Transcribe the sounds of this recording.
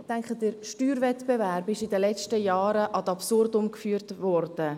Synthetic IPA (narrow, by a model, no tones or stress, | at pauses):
tæŋkχədəɾʃtyːɾvɛtb̥evæɾbɪʃidəlɛt͡ʃtəjɑːɾəʔɑd̪ɑpsʊrdʊmkfyːɾtvɔrd̥ə